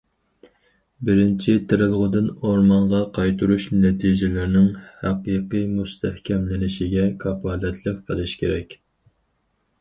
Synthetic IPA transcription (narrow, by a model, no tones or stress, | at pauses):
bɪɾɪnt͡ʃʰit̪ʰɪɾɨlˠʁʊd̪ɪnoɾmɑɴʁɑqʰɑjt̪ʰuɾuʃnɛt̪ʰiʒɪlɪɾnɪŋhæqiqɨjmust̪ʰɛhkʲʰɛmlɪnɪʃɪɡʲɛkʰɑpɑːlɛt̪ʰlˠəqqʰəlˠɨʃkʲeɾɛkʲ